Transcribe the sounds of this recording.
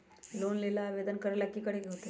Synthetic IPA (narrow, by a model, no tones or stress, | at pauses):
loːnleːlaʋeːd̪ənkəɾlɐkːikəɽekiɦoːt̪e